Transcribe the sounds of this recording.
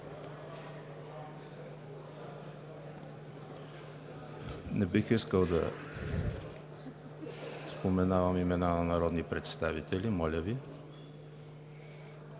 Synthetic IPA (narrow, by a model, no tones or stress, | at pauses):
nɛbixiskəlˠd̪ɐ | spomɛnavəmimɛnanɐnɐɾɔd̪nipɾɛt̪st̪avit̪ɛlʲimɔlʲəvi